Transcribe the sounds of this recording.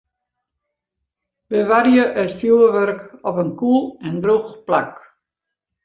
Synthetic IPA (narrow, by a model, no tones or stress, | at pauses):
bəʋaɾjəʔətfjuəʋøɾkɔpənkulˠɛndruxplak